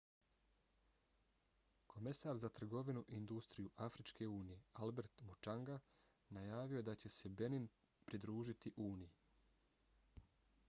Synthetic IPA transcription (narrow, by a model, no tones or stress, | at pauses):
kʰo̞mesaɾzat̪r̩ɡo̞ʋinuʔind̪ust̪ɾijuʔafɾit͡ʃke̞uːnije̞albe̞ɾt̪mut͡ʃaŋɡa | najaːʋijo̞ed̪at͡ɕe̞se̞be̞nin | pɾid̪ɾuːʒit̪iʔuːniji